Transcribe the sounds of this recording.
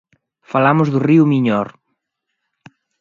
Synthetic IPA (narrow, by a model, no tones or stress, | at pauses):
falamʊzðʊriumiɲɔɾ